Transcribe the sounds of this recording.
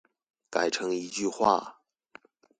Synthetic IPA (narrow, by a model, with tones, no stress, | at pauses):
ka˨˩ɪʈ͡ʂʰɤ˧˥ŋi˧˥t͡ɕy˥˧xwa̰˥˩